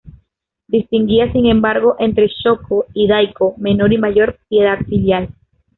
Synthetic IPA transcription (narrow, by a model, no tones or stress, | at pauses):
d̪ist̪iŋɡiasiŋẽ̞mbaɾɣ̞o̞ʔe̞nt̪ɾe̞ʃo̞kʰoiðajkome̞no̞ɾimaʝo̞ɾpje̞ðaðfiljal